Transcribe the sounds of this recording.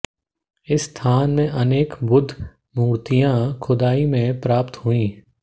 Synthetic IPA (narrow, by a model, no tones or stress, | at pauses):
ɪsːt̪ʰaːnmẽʔɐneːkbʊd̪ʱ | muːɾt̪ijãkʰʊd̪aːimẽpɾaːpt̪huĩː